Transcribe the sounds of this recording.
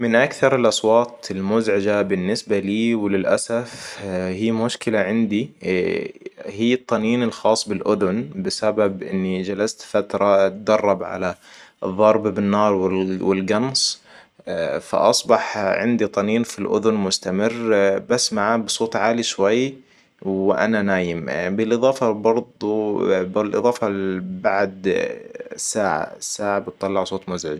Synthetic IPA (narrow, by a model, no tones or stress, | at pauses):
mɪnʔakθɑɾˤɪlʔɑsˤwɑːt̪ˤɪlmʊzʕɪd͡ʒabɪnːɪsbaliːwɪlɪlʔasafhiːmʊʃkɪlaʕɪnd̪i | hiːɨt̪ˤːɑniːnɪlxɑːsˤːbɪlʔʊðʊnbɪsababʔɪnːid͡ʒalast̪fat̪ɾˤɑt̪̚d̪ɑrˤːɑbʕa̰laðˤːɑɾˤbbɪnːɑːɾˤwɪwɪlɡɑns | fa̰ʔɑsˤbɑħʕɪnd̪it̪ˤɑniːnfilʔʊ̰ðʊnmʊst̪amɪrːbasːmaʕaːbsˤoːt̪ˤʕaːliʃwajː | wwɪʔa̰nanaːjɪmbɪlʔɨðˤɑːfɑbɑɾˤd̪ˤubɪlʔɨ̰ðˤɑːfɑbaʕd̪ | sːaːʕa̰sːaːʕabɪt̪ˤːɑlːɑʕsˤoːt̪ˤmʊzʕɪ̰d͡ʒ